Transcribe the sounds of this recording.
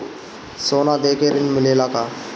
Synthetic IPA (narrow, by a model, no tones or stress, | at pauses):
sonad̪ekeɾinmɪlelaka